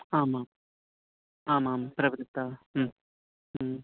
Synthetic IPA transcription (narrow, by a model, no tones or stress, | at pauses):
aːmaːm | aːmaːmpɾɐʋɐd̪ɪt̪ːaː